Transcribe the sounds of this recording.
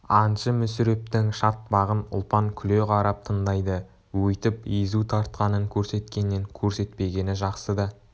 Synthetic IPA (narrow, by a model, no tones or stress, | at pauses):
ɑnʃəmʏsʏɾe̞pt̪ɪŋʃɑt̪̚bɑʁənʊ̰lˠpɑŋkʲʰʏleʁɑɾɑp̚t̪ʰəɴd̪ɑjd̪ə | wɵjt̪ɪpizut̪ʰɑɾt̪̚qɑnəŋkʲʰɵɾse̞t̪kʲe̞nːɪŋkʲʰɵɾse̞t̪̚pe̞ɡʲe̞nɪʒɑqsəd̪ɑ